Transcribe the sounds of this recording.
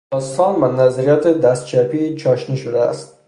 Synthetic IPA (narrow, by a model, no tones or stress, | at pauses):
ɒst̪ɒnvanazaɾijat̪ʰɪd̪ast̪̚t͡ʃʰapit͡ʃʰɒʃnɪʃʊd̪aa̰st̪